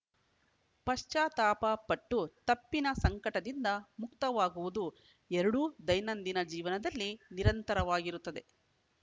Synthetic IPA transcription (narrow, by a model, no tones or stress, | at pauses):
pɐʂt͡ʃaːt̪aːpɐpɐʈːut̪ɐpːinɐsɐŋkɐʈɐd̪ind̪ɐmukt̪ɐʋaːɡuʋud̪u | ɛɾɐɽud̪ɐjnɐnd̪inɐd͡ʒiːʋɐnɐd̪ɐlːiniɾɐnt̪ɐɾɐʋaːɡiɾut̪ːɐd̪e̞